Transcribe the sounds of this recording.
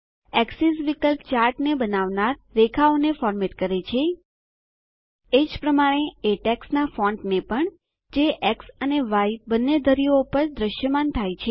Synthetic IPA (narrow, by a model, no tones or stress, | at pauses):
ɛksisʋikəlpt͡ʃaɾʈnebənaʋnaɾːekʰaonefɔɾmeʈkəɾet͡ʃʰe | ed͡ʒpɾəmaɽ̃eeʈɛksnafɔ̃ɳʈnepəɳ | d͡ʒeʔeksəneʋajbənːed̪ʱəɾijoupəɾd̪ɾəʃjəmant̪ʰajt͡ʃʰe